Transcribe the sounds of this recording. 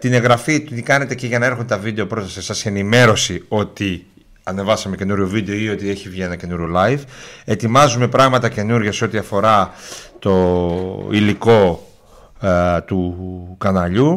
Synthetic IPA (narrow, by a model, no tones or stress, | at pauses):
t̪ine̞ɣɾɐfit̪t̪ikɐne̞t̪e̞ciʝɐnɐe̞ɾxond̪et̪ɐvid̪e̞opɾo̞t̪ɐsisɐse̞nime̞ɾo̞sio̞t̪i | ɐne̞vɐsɐmece̞nuɾʝovid̪e̞oio̞t̪ie̞çivʝie̞nɐce̞nuɾʝolɐjfe̞t̪imɐzume̞pɾɐɣmɐt̪ɐce̞nuɾʝɐseo̞t̪iɐfo̞ɾɐt̪o̞ | iliko̞ | t̪ukɐnɐʎu